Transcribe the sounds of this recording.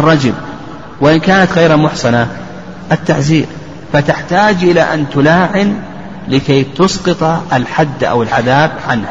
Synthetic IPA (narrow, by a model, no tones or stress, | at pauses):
ʔrˤːɑd͡ʒɪl | wɪʔɪnkaːnat̪ɣajɾamʊħsˤɑna | ʔat̪ːaʕziːɾ | fat̪ɪħt̪aːd͡ʒʔɪlaʔant̪ʊlaːʕɪn | lɪkajt̪ʊsqɨt̪ˤʔalħad̪ːʔa̰wɪlʕaðaːb̚ʕanha